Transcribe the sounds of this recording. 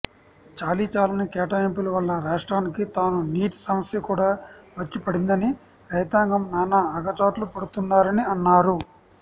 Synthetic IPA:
t͡ʃaːliːt͡ʃaːlɐnɐkɛːʈaːempilɐʋɐlːɐɾaːʂʈɾaːnikit̪aːnuniːʈsɐmɐsjɐkuːɽaːʋɐt͡ʃːipɐɽind̪ɐni | ɾɐjt̪aːŋɡɐmnanːɐɐɡɐt͡ʃaːʈlupɐɽut̪unːaːɾɐniɐnːaːɾu

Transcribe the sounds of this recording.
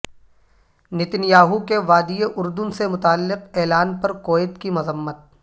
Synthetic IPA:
nɪt̪ɪnjaːɦukeʋaːd̪ijeʔʊɾd̪ʊnsemʊt̪aːlːɪqɛːlaːnpɐɾkoːɪt̪kimɐzəmːət̪̚

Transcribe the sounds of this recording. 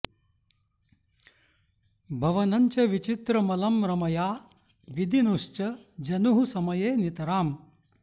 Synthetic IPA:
bʱɐʋɐnɐɲt͡ʃɐʋit͡ʃit̪ɾɐmɐlɐmɾɐmɐjaː | ʋid̪ʱinuʂt͡ʃɐd͡ʒɐnuɦusɐmɐjeːnit̪ɐɾaːm

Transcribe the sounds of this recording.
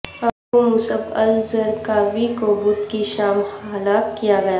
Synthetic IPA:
ɐb̚komʊsəbɐ̰lzəɾkabʱikoːbʊt̪kiʃaːmhaːlakijaɡɐja

